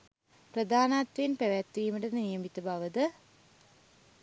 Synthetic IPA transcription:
prəd̪aːnaːt̪ʋenpeʋæt̪ːʋiːməʈənnijəmit̪əbaʋəd̪ə

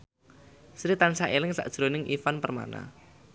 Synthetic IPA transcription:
sɾit̪ansaʔelɪŋsa̰ʔd̥ʒ̥ɾonɪŋʔifanpərma̰na̰

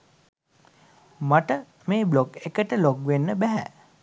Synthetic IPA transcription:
maʈə | meːbloɡekəʈəloɡʋenːəbæɦæ̰

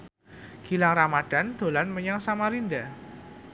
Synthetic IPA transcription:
ɡ̥ilaŋramad̥a̤nd̪̥o̤lanməɲaŋsamaɾinda

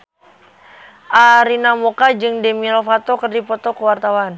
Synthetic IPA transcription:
ʔaɾinamokad͡ʒɨŋdɛmiɾofat̪okərdipɔt̪ɔkəwart̪awan

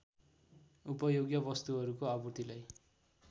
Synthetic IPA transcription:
upʌjoɡjʌbʌst̪uɦʌɾukoaburt̪ilaj

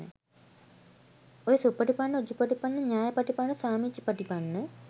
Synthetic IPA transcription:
ə̰ | ojesupːɐʈipanːəod͡ʒupaʈipanːəɲaːjəpɐʈipanːəsaːmit͡ʃːipaʈipanːə

